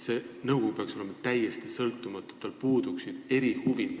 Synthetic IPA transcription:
senɤwɡ̥o̞kupeɑkso̞le̞mɑt̪æjest̪isɤlt̪ːˑumɑt̪ːˑu̥t̪ːˑɑlpuːd̪uksid̪̥e̞ɾihuvi

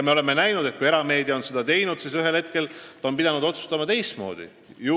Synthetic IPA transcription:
jɑmeo̞le̞mːe̞næjnud̪et̪̚kuje̞ɾɑme̞ːd̪̥io̞nsed̪ɑt̪e̞jnud̪̥sisyɦe̞lhet̪̚ke̞lt̪ɑo̞npid̪̥ɑnud̪o̞t̪su̥st̪ɑmɑt̪e̞jst̪mo̞̰ːd̪̥ḭ | ju

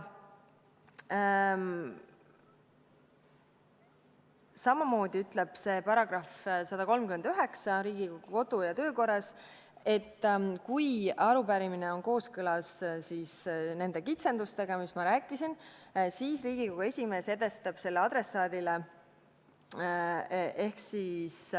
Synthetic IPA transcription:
sɑmɑmo̞ːd̪iyt̪ˑle̞b̥se̞ːpɑɾɑɡ̥rɑfsɑd̪̥ɑko̞lmkyme̞nd̪̥yɦe̞ksɑɾiːɡikoɡ̥uko̞d̪̥ujɑt̪ø̞ːko̞rːɑs | e̞t̪ːkujɑɾupæɾimine̞o̞nko̞ːskɤlɑssiːsne̞nd̪e̞kit̪se̞nd̪ust̪e̞ɡ̥ɑmismɑɾæːkːˑisinsiːsriːɡiko̞ɡ̥uesʲime̞ːse̞d̪̥e̞st̪ɑb̥se̞lːeɑd̪ɾe̞sɑːd̪ile | ʔe̞hksis

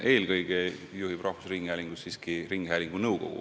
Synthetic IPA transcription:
ʔe̞ːlɡɤjɡ̥ejuɦib̥rɑhfu̥sɾiŋɡ̥hæːlʲiŋɡ̥ussiːskiriŋɡhæːlʲiŋɡ̥unɤwko̞̰ɡ̥ṵ

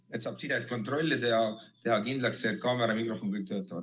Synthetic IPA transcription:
et̪sɑːb̥sid̪et̪̚ko̞nt̪ro̞lʲːit̪ehɑ | t̪e̞ɦɑkind̪lɑksekɑːmeɾɑmikro̞fo̞nkɤjk̚t̪øːt̪ːˑɑvɑ̰t̪

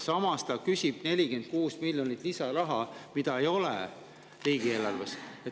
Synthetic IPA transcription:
sɑmɑst̪ɑkysʲib̥ne̞lʲike̞nd̪̥̚kuːsmilʲjonit̪ːˑlisɑɾɑɦɑmid̪̥ɑe̞jo̞lḛ | riːɡ̥ielɑlveset̪

